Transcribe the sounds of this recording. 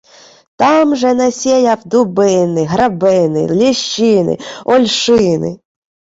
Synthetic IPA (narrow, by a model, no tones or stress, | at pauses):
t̪ɑmʒɛnɐsʲejɐwd̪ʊbɪnɪɦɾɐbɪnɪ̰lʲiʃt͡ʃɪnɪ̰ɔlʲʃɪnɪ̰